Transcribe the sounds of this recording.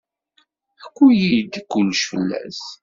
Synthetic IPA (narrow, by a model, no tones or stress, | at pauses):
ækʷːujid̪kʷːʊlːʃfə̰lːæ̰s